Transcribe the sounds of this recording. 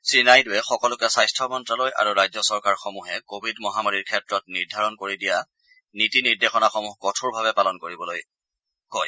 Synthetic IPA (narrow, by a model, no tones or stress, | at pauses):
sɹinajdʊwɛxɔkɔlʊkɛsajstʰɹɔmɔntɹaloja̰ɹuɹajzɔsɔɹkaɹxɔmuɦɛkobʱidmɔɦamaɹiɹkʰɛtɹɔtniɹdʱaɹɔnkoɹidija | nitiniɹdexɔnaxɔmuɦkɔtʰuɹbʱaβɛpalɔnkoɹibɔloj | kɔj